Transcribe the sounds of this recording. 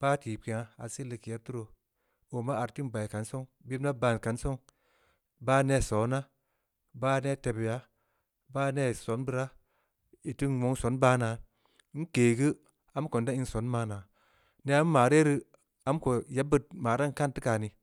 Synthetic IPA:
b̥aː˦ti˨p̚ki˨a˨˦a̰˨si˦li˨ki˨ja˦tu˦ɾo˨ | o˨ma˦a˨ɾti˦nba˨jka˨nso˦ŋbi˦bna˦ba˨n˨ka˨˦nso˦ŋ | baː˦ne˦˨so˨˦na˦ | baː˦ne˦˨te˨bja˦ | baː˦ne˦˨so˨˦nbɨ˦ɾa˦ | i˨ti˦nwo˨˦ŋso˨˦nbaː˦na˨ | i˦n˦keː˨ɡɨ˦ | a˦m˦ko˨nda˦i˦n˦so˨˦nmaː˨˦na˨ | ne˦a˦m˦maː˨ɾe˦ɾi˦ | a˦mko˨je˨˦bɨ˦t̚maː˨ɾa˦n˨ka˦nti˦ka˨ni˨

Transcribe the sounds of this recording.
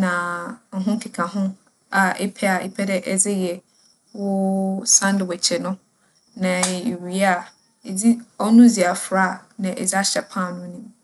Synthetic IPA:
nã˨ŋ̩˨ɦʊ̃˦kʰɪ˨kʰã˨ɦʊ̃˦ | a˨ʔɛ˦pʰɛ˦a˨ɛ̰˦pʰɛ˦dɛ˦ʔɛ˨d͡zɪ˦jɛ˨ | wʊ˦sã˦n˦dɪ˨wɛ˨t͡ɕʰɛ˨nʊ̃˦ | nã˨e˨ɥi˨a˦˨ | e˨d͡zi˦ɔ˦nʊ̃˦d͡zi˨a˨fɾa˦˨nã˨ʔɛ̰˨d͡zɪ˦a˦ɕɛ˨pʰã˦˨nʊ̃˦nĩ˦m

